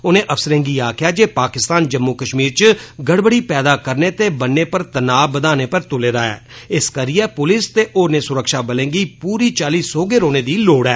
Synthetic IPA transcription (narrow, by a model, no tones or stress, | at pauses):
ʊnẽːʔəfsəɾẽːŋɡiːaːkʰɪjaːd͡ʒeːpaːkɪst̪aːnd͡ʒəmːuːkəʃmiːɾt͡ʃəɡəɽbəɽiːpɛːd̪aːkəɾneːt̪eːbənːeːpəɾt̪ənaːbəd̪aːneːpəɾt̪ʊleːɾaːɛ̰ːɪskəɾiɛːpʊlɪst̪eːʔoːɾnẽːsʊɾəkʃaːbəlẽːŋɡiːpuːɾiːt͡ʃaːliːsoːɡeːɾoːneːd̪iːloːɽɛː